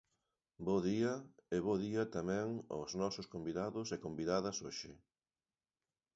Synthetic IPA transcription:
boðiɐeβoðiɐt̪amɛ̃ŋo̰znɔsʊskombiðaðʊsekombiðaðɐsoʃɪ

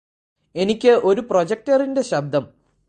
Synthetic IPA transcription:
e̞nikʲːɨʔo̞ɾuprod͡ʑek̚tɐrinde̞ɕɐb̚d̪ʱːɐm

